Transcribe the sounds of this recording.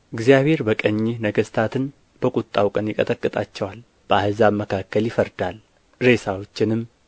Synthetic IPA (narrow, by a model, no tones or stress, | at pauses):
ʔɨɡzijaβhe̞ɾbəkʼəɲːɪnəɡəst̪ʰat̪ʰɨn | b̥əkʷʼʊt̪ʼːawkʼənjɪkʼət̪ʼəkʼːɨt̪ʼat͡ʃːɛwal | b̥əahɨzaməkʰakːəljɪfəɾd̪al | ɾe̞sawo̞t͡ʃːɪnɨm